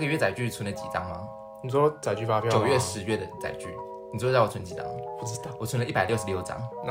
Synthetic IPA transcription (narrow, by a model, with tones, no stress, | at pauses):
ɡə˨ɥɛ˥˩t͡sa˨˩ɪt͡ɕy˥˩t͡sʰwə˧˦nlə˧t͡ɕḭ˨˩t͡sɑ˦ŋma˧˦ | ni˨˩t͡sɔ˥t͡sa˨ɪt͡ɕy˥˧fa˥pjt͡ɕjo˨ʊɥɛ˥˩ʂɻ̩˧˦ɥɛ˥˩d̪ə˩t͡sa̰˨˩ɪt͡ɕy̰˥˩ | n˨˩˨u˥˧t͡sa˥˩o˨˩t͡sʰə˧˦nt͡ɕi˨˩t͡sɑ̰˦ŋpu˥˧˩ɑ˥˨˩wɔ˨˩t͡sʰwə˦nə˦i˥˩pa˨˩ljo˥ʊʂɻ̩˧˥jo˥˩ʊʈ͡ʂɑ̰˧˥ŋn˥